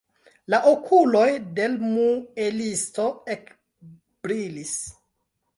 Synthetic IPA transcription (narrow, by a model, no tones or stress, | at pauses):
laʔokʰulo̞jde̞lmuelisto̞ek | b̥ɾilis